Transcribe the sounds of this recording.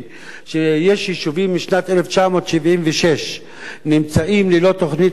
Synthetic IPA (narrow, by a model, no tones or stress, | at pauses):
ʃejeʃiʃuvimːiʃnat̪ʔeleft͡ʃamo̞ːt̪ʃivʔimveʃeʃ | nimt͡saʔimlilo̞t̪oχnit